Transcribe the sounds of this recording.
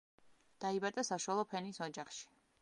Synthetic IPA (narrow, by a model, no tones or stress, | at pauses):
d̪̥aibad̪ʼasaʃwalˠɔpʰɛnisɔd͡ʒaχʃi̥